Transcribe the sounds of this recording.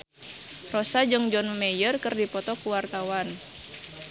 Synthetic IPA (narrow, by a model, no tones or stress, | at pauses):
rɔsad͡ʒɨŋd͡ʒɔnmɛjərkɨrdipɔt̪ɔkuwart̪awan